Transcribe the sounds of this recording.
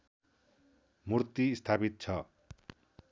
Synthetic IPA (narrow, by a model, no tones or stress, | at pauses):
murt̪iːst̪ʰapit̪̚t͡sʰʌ